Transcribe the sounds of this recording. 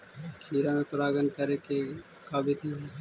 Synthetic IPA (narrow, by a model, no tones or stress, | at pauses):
kʰiːɾamẽpɾaːɡənkəɾeke | kaːbʱit̪iɦ